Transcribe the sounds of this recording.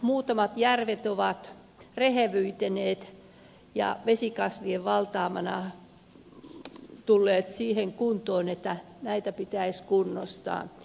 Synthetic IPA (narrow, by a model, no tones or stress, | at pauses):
muːt̪ɑmɑt̪jærʋet̪oʋɑt̪ | reheʋyit̪eneːt̪ | jɑ̰ʋesikɑsʋieʋʋɑlt̪ɑːmɑnɑ̰ | t̪ulːeːt̪siːheŋkunt̪oːnet̪ːæ | næit̪æpit̪æiskunːo̰st̪ɑ̰ː